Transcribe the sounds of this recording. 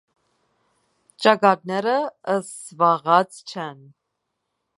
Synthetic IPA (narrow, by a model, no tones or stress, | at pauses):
t͡ʃɑkɑt̪̚nɛɾəəsvɑʁɑt͡st͡ʃʰɛn